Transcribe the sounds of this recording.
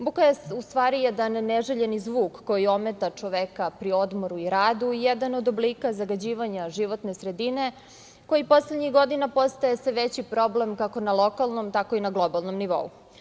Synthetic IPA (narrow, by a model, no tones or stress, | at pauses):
bukajesust̪ʋaːɾijɛd̪anːeʒeʎe̞nizʋuːkːo̞jio̞met̪at͡ʂo̞ʋekapɾio̞d̪moɾuiɾaːd̪uijɛd̪ano̞d̪obliːkazaɡad͡ʑiːʋaɲaʒiʋo̞t̪nesɾe̞d̪ine̞ | ko̞jipo̞sled̪ɲixɡo̞d̪inapo̞st̪ajesʋeʋet͡ɕipɾo̞blemkako̞nalˠo̞kalˠnomt̪ako̞inaɡlˠo̞balˠno̞mniʋo̞̰ṵ